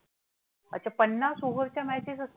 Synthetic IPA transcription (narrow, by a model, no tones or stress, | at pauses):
ə̰t͡ɕʰapənːasuɦəɾt͡ɕjamæt͡ɕesəs